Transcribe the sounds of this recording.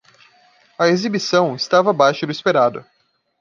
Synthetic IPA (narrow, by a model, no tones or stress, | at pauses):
ɐezibisɐ̃w̃ɪst̪avɐbajʃʊd̪ʊispeɾad̪ʊ̰